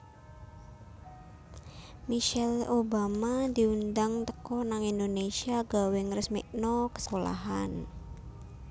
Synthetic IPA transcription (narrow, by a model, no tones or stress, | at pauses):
miʃɛlobamad̪i̤und̪aŋt̪əkɔnaŋind̪onesiaɡ̥a̤wɪŋrəsmḭʔnɔkə̥skola̰ɦa̰n